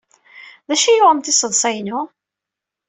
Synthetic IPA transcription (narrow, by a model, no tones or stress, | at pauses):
ðæʃijʊʁəmθɪsəðˤsˤæjnʊ